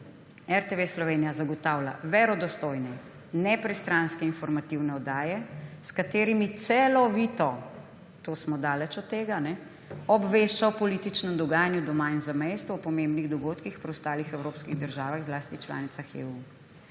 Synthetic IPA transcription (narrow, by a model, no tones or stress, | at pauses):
ɛɾt̪eʋeslɔʋeːnijazaɡɔt̪aːwla̰ʋɛɾɔd̪ɔst̪oːjnɛ | nɛpɾɛst̪ɾanskɛinfɔɾmat̪iwnɛɔd̪aːjɛskat̪eːɾimit̪sɛlɔʋiːt̪ɔ | t̪oːsmɔd̪aːlɛt͡ʃɔt̪ːeːɡanɛ | ɔbʋeʃt͡ʃawpɔliːt̪it͡ʃnɛmd̪ɔɡaːjanjud̪ɔmaːinzamejst̪ʋuːpɔmẽmbniɣd̪ɔɡoːt̪kixpɾiɔwst̪aːlixɛwɾoːpskiɣd̪əɾʒaːʋaɣzlaːst̪it͡ʃla̰ːnit̪saxḛːu